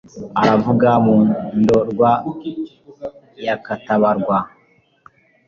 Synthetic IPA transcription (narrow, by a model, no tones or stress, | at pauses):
aɾavuɡamundoɾɡwa | jakataβaɾɡwa